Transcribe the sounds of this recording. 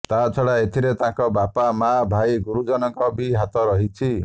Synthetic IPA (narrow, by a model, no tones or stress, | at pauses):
t̪at͡ʃʰɔɭaet̪ʰiɾet̪ãŋkɔbapamabʱaiɡuɾud͡ʒɔnɔŋkɔbiɦat̪ɔɾɔɦit͡ʃʰi